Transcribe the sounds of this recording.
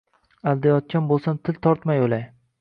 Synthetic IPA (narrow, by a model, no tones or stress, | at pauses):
ald̪ajɒt̪̚kʲanbolˠsant̪ʰɪlt̪ʰɒɾt̪majolaj